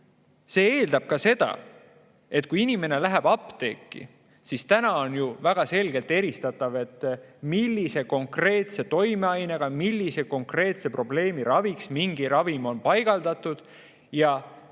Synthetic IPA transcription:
se̞ːe̞ːld̪ɑb̥̚kɑse̞d̪̥ɑ̰ | e̞t̪̚ːˑkuinime̞ne̞læɦæb̥ɑpːˑt̪e̞̰ːkːḭ | sist̪ænɑo̞njuvæɡ̥ɑse̞lɡ̥e̞lt̪ːe̞ɾist̪ɑt̪ːˑɑve̞t̪ːmilːise̞ko̞ŋkre̞ːt̪se̞t̪o̞jme̞ɑjne̞ɡ̥ɑmilːise̞ko̞ŋkre̞ːt̪se̞pro̞ble̞ːmiɾɑviksmiŋɡ̥iɾɑvimo̞npɑjɡ̥ɑld̪̥ɑt̪ːˑud̪̥ | jɑ

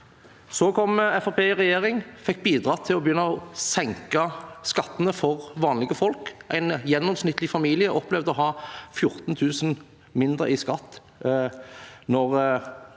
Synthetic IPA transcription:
soːkʰɔmɛfɑpʰeːʁɛjeːʁɪŋfɛk̚ːbiːd̪ʁɑːt̪ʰɪlɔbəjʏnːɑɔsɛŋkɑskɑt̪ːənəfɔʁʋɑːnlɪɡəfɔlkʔæɪnjɛnːɔmsnɪt̪ːlɪfɑmiːlɪəʔɔplɛʋd̪ɔɦɑːfjʊɾt̪n̩t̪ʰʉːsən | mɪnd̪ɾə̰ɪskɑt̪ː | nɔʁ

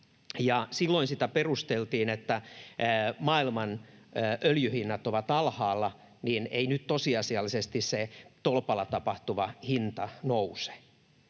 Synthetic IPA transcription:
jɑsilːoinsit̪æperust̪elt̪iːnet̪ːæː | mɑːilmɑnəʔøljyhinːɑt̪oʋɑt̪ɑlhɑːlːɑ | nineinyt̪t̪osiɑsiɑlːisest̪isset̪olpɑlɑt̪ɑpɑht̪uʋɑhint̪ɑnouse̥

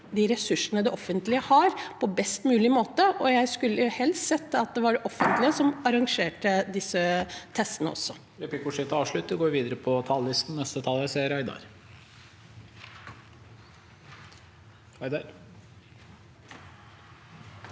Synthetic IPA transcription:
d̪ɪɾɛsʉʂənəd̪ɛʔɔfːənt̪lɪəhɑɾpʰɔbɛst̪mʉːlɪmoːt̪əʔɔjæɪskʉlːəʊhɛlssɛt̪ːɑt̪̚d̪ɛʋɑɖɛʔɔfːənt̪lɪəsɔmɑɾɑŋʂeːʈəd̪ɪsːət̪ʰɛst̪ənə̰ɔ̰sːɔ | ɾɛpɪkʊʂɪt̪ɑːʋʂɭʉt̪ːəɡoːʋiːd̪əɾəpʰɔt̪ʰɑlːɪst̪n̩nɛst̪ət̪ʰɑlæseːɾɑɪd̪ɑ̰ɾ | ɑɪd̪ɑɾ

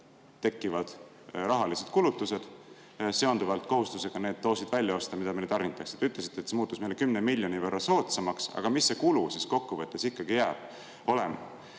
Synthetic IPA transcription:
t̪e̞kːˑivɑd̪̥ | rɑɦɑlise̞d̪̥̚kulut̪ːˑuse̞d̪̥ | se̞o̞nd̪uvɑlt̪ˑko̞ɦust̪use̞ɡ̥ɑne̞ːd̪̥̚t̪ːo̞ːsid̪̥vælʲjɑo̞st̪ɑmid̪ɑmelt̪ɑrnit̪ːˑɑkse̥d̪eyt̪les̬i̥t̪ːet̪semuːt̪ːˑusmejlekymnemilʲjo̞nivørːɑso̞ːt̪sɑmɑksɑ̰ɡ̥ɑmisːe̞kulusisko̞kːuvɤt̪ːˑesikːɑɡ̥ijæːb̥ | o̞lemɑ

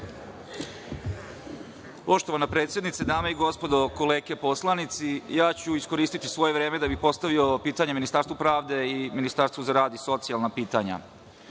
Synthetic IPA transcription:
po̞ʃt̪oʋanapɾet̪sje̞d̪nit̪sed̪aːmeiɡo̞spo̞d̪o̞ko̞leːkepo̞slˠanit̪sijaːt͡ɕuisko̞ɾiːst̪it̪isʋo̞jeʋɾeːmed̪abixpo̞st̪aʋio̞piːt̪aɲeminist̪aːɾst̪upɾaːʋd̪e̞iminist̪aɾst̪ʋuzaɾaːd̪iso̞t̪sialˠnapiːt̪aɲa̰

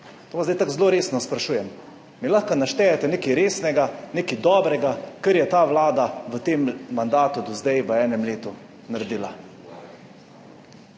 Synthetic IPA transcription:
t̪oːʋanzd̪ajt̪akzloːɾeːsnɔspɾaʃuːjɛm | milaxkanaʃt̪ɛːjɛt̪ɛneːkiɾeːsnɛɡaneːkid̪ɔːbɾɛɡakəɾjɛt̪aːʋlaːd̪aʋət̪eːmːand̪aːt̪ud̪ɔzd̪ajʋəɛːnɛmleːt̪u | naɾɛd̪iːla

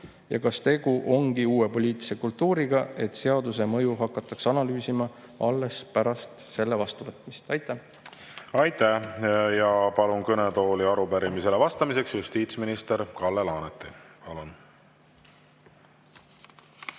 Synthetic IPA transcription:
jɑ̰kɑst̪e̞ɡuʔo̞ŋɡ̥iuːwe̞po̞lʲiːt̪ːˑi̥se̞kult̪ːuːɾiɡ̥ɑe̞t̪se̞ɑd̪use̞mɤ̞juɦɑkːˑɑt̪ːˑɑksɑnɑlyːsimɑ | ɑlːe̞spæɾɑst̪se̞lːe̞vɑst̪uvɤt̪ˑmist̪ɑjt̪ːˑæ | ɑjt̪æhjɑpɑlunkɤnet̪o̞ːliɑɾupæɾimise̞levɑst̪ɑmise̞ksjust̪iːt̪sminist̪e̞ɾkɑlːelɑːnet̪ːˑipɑlun

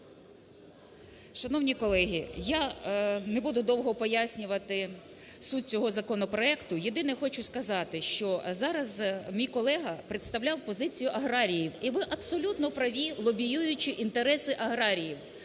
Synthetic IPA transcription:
ʃɐnɔwnʲikɔlˠɛɦʲijanebud̪ʊd̪ɔwɦɔpɔjasʲnʲʊʋɐt̪ɪ | sut̪̚ʲt͡sʲɔɦɔzɐkɔnɔpɾɔɛkt̪ʊjed̪ɪnɪxɔt͡ʃʊskɐzɑt̪ɪʃt͡ʃɔzɑɾɐzmʲijkɔlˠɛɦɐpɾet̪st̪ɐwlʲɑwpɔzɪt͡sʲijʊʔɐɦɾɑɾʲijiwiʋɪʔɐbsɔlʲut̪nɔpɾɐʋʲilˠɔbʲijujʊt͡ʃɪʔint̪eɾɛsɪʔɐɦɾɑɾʲijiw

